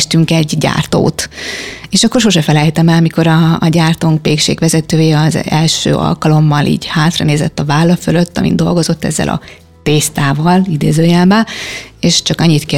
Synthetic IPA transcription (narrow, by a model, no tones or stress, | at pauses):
ʃt̪yŋkɛɟɟa̰ːrt̪o̰ːt̪eːʃɒkːo̞rʃoʃɛfɛlɛjt̪ɛmɛlmiko̞ɾɒːɟaːrt̪oŋkʋeːkʃḛːkʋɛzɛt̪øːjeːɒzɛlʃø̰ːʔɒ̰lkɒlo̞mːɒlʔḭːɟhaːt̪rɒneːzɛt̪ːɒvaːlːɒfølø̞t̪ːɒ̰mʔḭnd̪o̞̰lɡo̞zo̞t̪ːɛ̰zːɛ̰lʔɒ̰ | t̪eːst̪aːvɒlid̪eːzøːjɛːbɛeːʃt͡ʃɒkɒɲːit̪kɛ